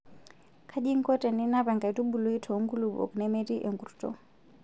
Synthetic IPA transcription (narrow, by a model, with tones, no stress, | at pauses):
kʰa˦ʄi˦ŋ̩˦kɔ˦tɛ˨ni˦na˦pa˨ŋɡa˨i˨tu˦ɓu˨lu˦i˦tʰɔ˨˦ŋɡu˦lu˨ɓɔ̰˨knɛ˦mɛ˦ti˦ʔɛ˨ŋɡu˨ɾtɔ̰˨˦